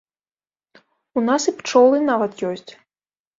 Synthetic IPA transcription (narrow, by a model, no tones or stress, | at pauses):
unasipt͡ʂɔlˠɨnavɐt̪jɔsʲt͡sʲ